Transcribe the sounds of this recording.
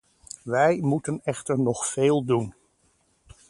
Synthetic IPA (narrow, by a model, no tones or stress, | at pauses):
ʋɛjmutənɛχtəɹnɔχfeːlˠdun